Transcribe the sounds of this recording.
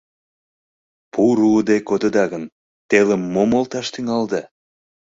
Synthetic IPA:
puɾud̪ekod̪ə̆d̪ɑɣən | t̪eləmːomolˠt̪ɑʃt̪yŋɑld̪ə

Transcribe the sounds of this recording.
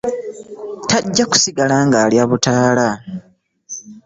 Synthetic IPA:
taɟːaku̥siɡalaːŋɡaːljaβutaːla

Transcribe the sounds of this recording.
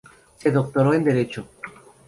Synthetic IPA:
seðok̚t̪oɾoend̪eɾet͡ʃu

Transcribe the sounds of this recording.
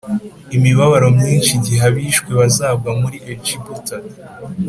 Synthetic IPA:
imiβaβaɾo̞mɲiːnt͡ʃiɟiɦaβiːʃkwe̞βazaːbɡamuɾiʔed͡ʒibutatḁ

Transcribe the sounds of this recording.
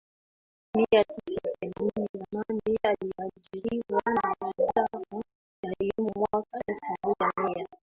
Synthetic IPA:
miatisaɛminiamanialiad͡ʒiɾiwanajazaku | naiimumwakaɛlfubinimia

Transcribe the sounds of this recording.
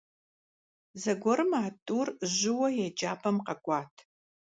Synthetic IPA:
zɐɡʷɔɾɨmaːtʼuːrʒɪwɐjɛd͡ʒaːpʰɐmqɐkʷʼaːtʰ

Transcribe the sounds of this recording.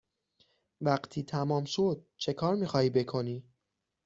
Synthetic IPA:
væɢt̪ʰiːt̪ʰæmɒːmʃod̪̥̚t͡ʃʰe̞kʰɒːɾmiːxɒːhiːbe̞kʰo̞niː

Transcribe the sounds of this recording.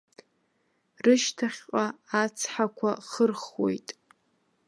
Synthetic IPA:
rɨʃtʰaχʲqʼaat͡sʰħakʷʰaχərχwo̰jtʼ

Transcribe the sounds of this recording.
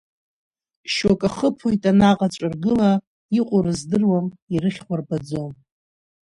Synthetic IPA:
ʃokʼaχəpʰujtʼanaqʼat͡ʃʷʼarɡɨla | iqʷʼʊrɨzdɨrwamirɨχʲχʷarbad͡zo̞m

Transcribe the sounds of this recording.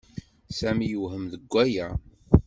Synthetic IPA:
sæmijəɦəmðəɡʷːæjæ

